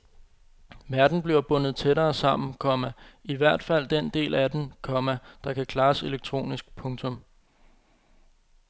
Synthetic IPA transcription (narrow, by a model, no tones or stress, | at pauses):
ʋæɐd̥n̩b̥liɐb̥ɔ̽n̰ð̞̩ˠt͡sʰeɾɐːsɑ̈m̰n̩kʰɒ̽mæiʋæɐ̰d̥fæl̰d̥en̰d̥e̝̰ːlæd̥enkʰɒ̽mæd̥ɑ̈kʰækʰlɑ̈ːse̝leɡ̥̚t͡sʰʁo̝̰ːnisɡ̥̚pʰɔ̽ŋt͡sʰɔ̽m